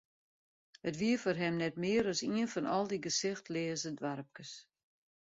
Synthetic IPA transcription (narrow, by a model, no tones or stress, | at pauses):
hətʋiəfɔrɦɛmnɛtmɪːəɾɔsiənfɔnʔɔlˠdiɡəsɪxtlɪːəzədʋaɾəp̚kəs